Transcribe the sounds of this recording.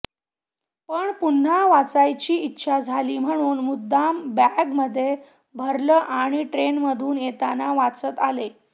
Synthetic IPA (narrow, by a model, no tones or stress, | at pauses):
pəɳpun̤ːaʋat͡sajt͡ɕiːitːɕʰad͡zʱaliːm̤əɽ̃uːnmud̪ʱːambaɡməd̪ʱːje | bʱəɾləːʔaɽ̃iʈɾenməd̪ʱuːnjet̪anaʋat͡sət̪ale